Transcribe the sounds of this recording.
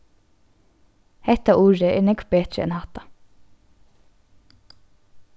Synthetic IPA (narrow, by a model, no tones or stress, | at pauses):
hɛt̪aʔuːɹəʔɛ̰ːnɛɡbeːt̪ɹəɛ̰nhɑt̪a